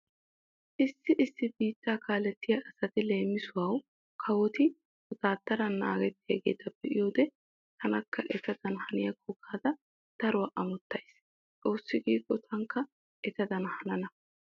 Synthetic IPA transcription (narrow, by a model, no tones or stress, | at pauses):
ʔɪsːɪʔɪsːɪbiːt̪ːaːkʰaːlɛt̪ːɪjɐʔɐsɐt̪ɪle̞ːmːɪsʊwɐw | kʰɐwɔt̪ɪ | ɔt̪aːt̪ːɐɾɐnːa̰ːɡɛt̪ːɪjɐɡe̞̰ːt̪ɐb̥ɛʔɪjoːd̪ɛ | t̪ʰɐnɐkʰːɐʔɛt̪ɐd̪ɐnhɐnɪjɐkʰɔkʰːaːd̪ɐ | d̪̥ɐɾʊwɐʔɐmɔt̪ːɐjs | t͡sʼo̞ːsːɪɡiːkʼːɔt̪ʰɐŋkːɐ | ʔɛt̪ɐd̪ɐnhɐnɐnɐ